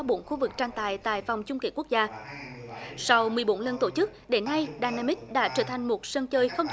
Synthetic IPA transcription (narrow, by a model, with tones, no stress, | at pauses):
ɔ˨˦ɓo˧˩˦nxu˧vɨ˨˩k̚t͡ɕaː˧ŋt̪a̰ː˧˨jt̪a̰ː˧˨jva˨˩wŋ͡mt͡ɕʊ˧ŋ͡mkḛ˧˩ku˦˥ək̚zaː˧ | sa˧wmɨ˨˩əjɓo˨˦nlə˧nt̪o˧˩t͡ɕɨ˦˥k̚ɗe˨˦nːa˧jɗaː˧naː˧mi˦˥k̚ɗa̰ː˧˥t͡ɕəː˧˩t̪ʰa˨˩jŋ̟mo˨˩t̚sə˧nt͡ɕəː˧jxə˧wŋ͡mt